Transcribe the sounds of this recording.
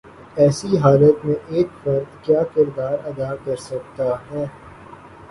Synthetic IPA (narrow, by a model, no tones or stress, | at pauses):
ɛːsiɦaːlət̪mẽʔeːkfɐɾd̪kjaːkɪɾd̪aːɾɐd̪akɐɾsɐk̚t̪aɦɛː